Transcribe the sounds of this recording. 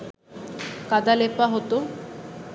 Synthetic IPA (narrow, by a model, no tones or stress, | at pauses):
kad̪alepaɦot̪o